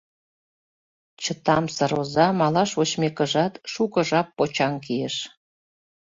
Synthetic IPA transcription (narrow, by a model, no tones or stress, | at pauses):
t͡ɕət̪ɑmsəɾozɑmɑlɑʃot͡ɕmekə̆ʒɑt̪ʃukə̆ʒɑpːot͡ɕɑŋkijeʃ